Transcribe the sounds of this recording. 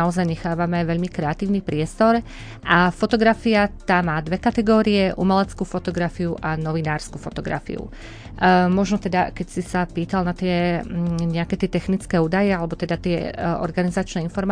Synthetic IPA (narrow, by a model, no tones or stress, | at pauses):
aɔzajɲɛxaːʋamɛaʋɛʎmikɾɛat̪iːʊnipɾɪɛst̪ɔɾ | ʔafɔt̪ɔɡɾafiat̪aːmːaːd̪ʋɛkat̪ɛɡɔːɾiɛʔumɛlɛt͡skufɔt̪ɔɡɾafiuʔanɔʋinaːɾskufɔt̪ɔɡɾa̰fḭṵ | mɔʒnɔt̪ɛd̪akɛcsisapiːt̪alnat̪ɪɛ | ɲɛakɛːt̪ɪɛt̪ɛxnit͡skɛːuːd̪ajɛalɛbɔt̪ɛd̪at̪ɪɛɔ̰ɾɡanizat͡ʃnɛːinfɔɾm